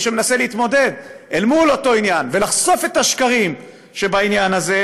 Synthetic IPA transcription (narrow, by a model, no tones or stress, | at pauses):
ʃeme̞nase̞leit̪mo̞de̞d̪elmulo̞to̞injanve̞laχso̞fe̞t̪aʃkaʁim | ʃe̞bainjanaze̞